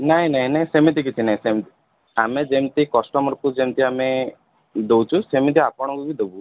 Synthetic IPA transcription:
naɦĩnaɦĩnaɦĩsemit̪ikit͡ʃʰinaɦĩsemt̪i | amed͡ʒemt̪ikɔsʈɔmɔɾkud͡ʒemt̪iame | d̪ewt͡ʃʰusemit̪̬iapɔɽ̃ɔkubid̪ebu

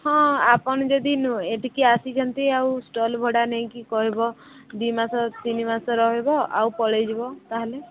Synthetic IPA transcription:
hɔ̃apɔɽ̃ɔd͡ʒɔd̪inũeʈikiasid͡ʒʰɔnt̪iawsʈɔlbʱɔɽaneĩkikɔɦibɔ | d̪imasɔt̪inimasɔɾɔɦebɔa̰wpɔɭed͡ʒibɔt̪aɦele

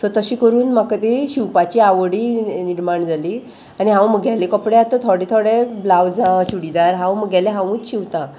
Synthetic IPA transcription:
t̪əɾt̪əɕiːkəɾuːnmakat̪eɕiwpat͡ɕiːaʋəɽiːniɾmaɳd͡zʱaliː | aniɦãwməɡalekəpɽeat̪ət̪ʰɔɽet̪ʰoɽeblaʋd͡zãt͡ɕuɽid̪aɾɦãwməɡɛleɦãʋũːt͡sɕiʋt̪a

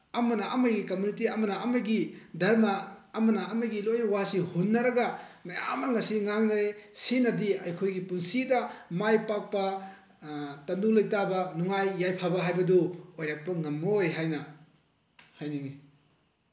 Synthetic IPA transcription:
ɐmɐnɐʔɐmɐɡikɐmunitiɐmɐnɐːmɐɡidʱɐɾmɐːmɐnɐːmɐɡilojnɐwasihunːɐɾɐɡɐmaja̰mɐŋɐsiŋaŋnɐɾesinɐdiɐjkʰojɡipunsidɐmajpak̚pɐ | tɐndulɐjtabɐnuŋajːajpʰabɐɦajbɐdoojɾak̚pɐŋɐmːɐojɦajnɐ | hajniŋi

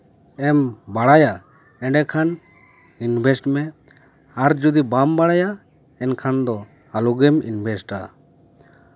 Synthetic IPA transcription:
ɛmbaɽaja | ɛ̃ɖɛkʰan | inbʱɛsʈmɛ | aɾd͡ʒud̪ibambaɽaja | ɛnkʰand̪ɔ | aluɡɛmḭnbʱɛsʈa̰

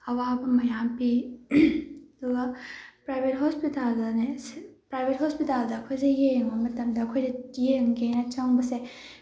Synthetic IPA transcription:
ɐwabɐmɐjampi | ɐduɡɐpɾajbʱetɦospitaldɐnespɾajbʱethospitaldɐɐkʰojzejejŋɐmɐtɐmdɐːkʰojdɐjeŋɡenat͡ʃawŋbɐse

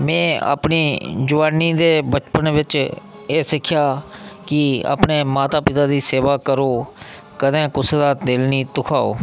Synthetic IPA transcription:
mɛ̃ːa̰ːpniːd͡ʒʊʋaːniːd̪eːbət͡ʃpənʋɪt͡ʃ | eːsɪkʰjaːkɪa̰ːpneːmaːt̪aːpɪt̪aːd̪iːseːʋaːkəɾoː | kəd̪ẽːkʊsd̪aːd̪ɪlniːt̪ʊkʰaːo̰ː

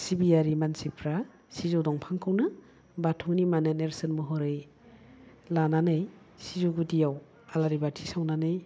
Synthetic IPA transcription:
sibijaɾimansipʰɾa | sizɔdɔŋpʰaŋkʰawnɯ | batʰɔnimaneneɾsɯnmɯɦɔɾɯj | lananɯj | sizoɡudijaw | alaɾibatʰisawnanɯj

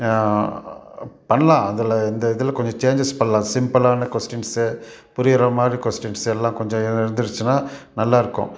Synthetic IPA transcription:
pɐɳːɐlãːɐðɪlɐɪnd̪ɐɪðɪlɐkɔɲd͡ʒɔ̃t͡ʃeːɲd͡ʒɪspɐɳɐlãːsɪmpɐlaːnɐkɔsʈɪnsepʊɾɪjɐɾɐmaːd̪ɾikɔsʈɪnsɛlːãːkɔɲd͡ʒɔ̃ɪɪɾɯnd̪ɯɾɯt͡ʃːɯnːaːnɐlːaːɪɾɯkːʊ̰̃

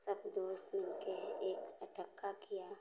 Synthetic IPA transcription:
səbd̪oːst̪mɪlkeɦeːkəʈəkːakija

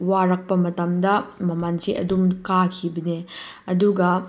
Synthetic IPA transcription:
waɾɐk̚pɐmɐtɐmdɐmɐmansiʔɐ̰dumkakʰibɐne | ɐduɡɐ

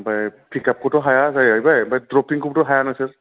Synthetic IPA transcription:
bajkʰikap̚kɔtɔɦajazajajbajbajdɹɔpiŋkuptɔɦajanɔjsɛɹ

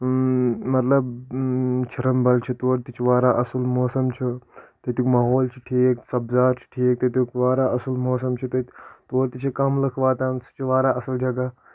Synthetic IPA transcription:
mɐt̪lɐb | t͡ʃʰɐɾɐmbɐlt͡ʃʰit̪oːɾt̪it͡ʃʰiʋaːɾaʔɐsulmoːsɐmt͡ʃʰit̪ɐt̪ukmɐɦoːlt͡ʃʰiʈʰiːksɐbzaːt͡ʃʰi̥ʈʰiːk̚t̪ɐt̪ukʋaːɾaːʔɐsulmoːsɐmt͡ʃʰit̪ɐt̪oːɾt̪it͡ʃʰikɐmlɐkʰʋaːt̪aːnsu̥t͡ʃʰiʋaːɾaːʔɐsɐld͡ʒɐɡa

